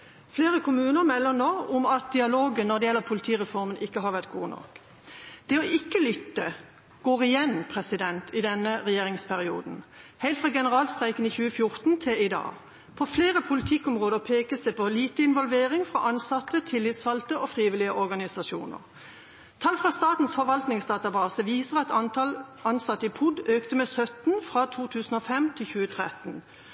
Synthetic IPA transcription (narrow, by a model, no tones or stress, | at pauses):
fleːʁəkʰʊmʉːnəɾmɛlːənoːʊmɑt̪̚d̪ɪɑloːɡənnɔʁd̪ɛjɛlːəʁpʰʊlɪt̪ʰiːʁɛfɔɾmənʔɪkːəɦɑʁʋæʁt̪̚ɡuːnɔ̰k | d̪̥ɛɔʔɪkːəlʏt̪ːə | ɡ̥oːʁɪjɛnpʰʁɛsɪd̪ɛnt̪ʰɪd̪ɛnəʁɛjeːʁɪŋspʰæʁɪṵːd̪n̩hæɪlt̪fʁɑɡɛnəʁɑːlst̪ʁæɪkəniːçʉːəfjʊɾt̪n̩t̪ʰɪlɪd̪ɑ̰ː | pʰɔfleːʁəpʰʊlɪt̪ʰɪkːɔmʁoːd̪əʁpʰeːkəsæɪpʰɔliːt̪əɪnʋɔlʋeːʁɪŋfʁɑ̰ʔɑnsɑt̪ːət̪ʰɪlːɪt̪sfɑlt̪əʔɔfʁiːʋɪlɪəʔɔʁɡɑnɪsɑʃṵːnə̰ʁ | t̪ʰɑlfʁɑst̪ɑːt̪n̩sfɔʋɑlt̪nɪŋsd̪ɑːt̪ɑbɑːsəʋiːsəʁɑt̪ʰɑnɑlɑnsɑt̪ːəɪpʰʊd̪øːkt̪əmɛːsœt̪n̩fʁɑt̪ʰuːt̪ʰʉːsn̩ɔfɛmt̪ʰɪlçʉːət̪ʰʁɛt̪n̩